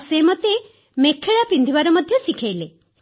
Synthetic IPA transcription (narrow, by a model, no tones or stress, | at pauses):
semɔt̪e | mekʰːeɭapind̪ʱibaɾɔmɔd̪ʱjɔsikʰajle